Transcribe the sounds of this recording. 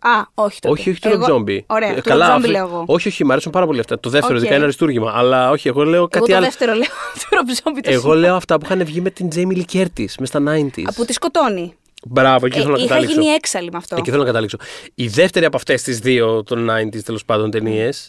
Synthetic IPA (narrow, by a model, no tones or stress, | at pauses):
ɐoçi̥t̪o̞io̞çi̥t̪iɾobzo̞mbioɾeɐkɐlɐfbileoɣoo̞çio̞çimeɐɾesumpɐɾɐpo̞liɐft̪ɐt̪oðefeoðiɐinɐɾist̪uɾʝimɐʔɐlɐo̞çieɣo̞le̞o̞kɐiɐleft̪eɾoleot̪iɾobzombit̪eɣo̞le̞oɐft̪ɐpuixɐnevʝime̞t̪ind͡zejmilice̞ɾt̪ismest̪ɐnɐjnt̪ḭɐput̪iskot̪o̞ni | bɾɐvoeiiθelonɐɐt̪ɐɐlikisnoieksɐlimɐft̪oeiθelonɐkɐt̪ɐlikso̞iðe̞ft̪e̞ɾiɐpoɐft̪e̞st̪izðio̞t̪o̞nɐjnt̪ist̪elo̞spɐnd̪o̞nt̪e̞nie̞s